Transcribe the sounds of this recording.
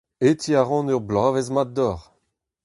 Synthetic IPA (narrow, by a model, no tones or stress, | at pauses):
et̪ʰiaʁɑ̃nœʁblaːvezmat̚d̪ɔʁ